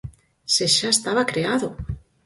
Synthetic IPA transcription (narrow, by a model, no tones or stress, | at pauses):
seʃaest̪aβ̞akɾeaðo